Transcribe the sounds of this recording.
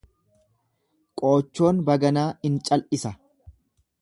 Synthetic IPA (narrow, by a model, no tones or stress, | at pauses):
kʼo̞ːt͡ʃːo̞ːnbɐɡɐnaːɪnt͡ʃʼɐlʔɪsɐ